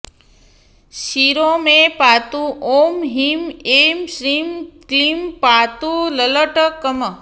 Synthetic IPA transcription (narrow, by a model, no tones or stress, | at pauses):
ʃiɾomepat̪uʔomɦimemʃɾimklimpat̪ulələʈəkːəmə